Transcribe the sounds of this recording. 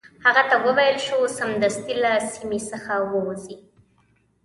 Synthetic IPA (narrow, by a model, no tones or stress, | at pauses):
haɣat̪awəwajəlʃosamd̪ast̪ilasimisəxawəwzi